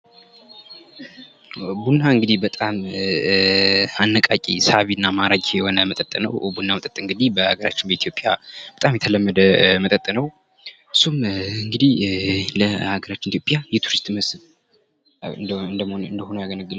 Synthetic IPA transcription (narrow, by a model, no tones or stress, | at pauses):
bunːaɨŋɡɨd̪ihbət̪ʼam | anːəkʼakʼḭsaβinːamaɾaɡʼjɛhonəmət̪ʼət̪ʼənə̰wbunːamət̪ʼət̪ʼːɨŋɡɨd̪ihbəhaɡəɾat͡ʃːɪnbəit̪ʰjo̞pʼja̰bət̪ʼamjɛt̪ʰələmːəd̪əmət̪ʼət̪ʼːənəw | ɨsːumɨŋɡɨd̪ihləhaɡəɾat͡ʃːɪnit̪jopʼjajɛt̪ʰuɾist̪ʼməsɨl | ɨɨnd̪əmɨnd̪əhonəjaɡənəɡːɨl